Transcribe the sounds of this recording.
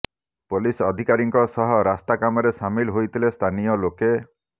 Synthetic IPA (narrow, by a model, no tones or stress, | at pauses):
polisɔd̪ʱikaɾiŋkɔsɔɦɔɾast̪akamɔɾesamilɦojt̪ʰilest̪ʰanijɔloke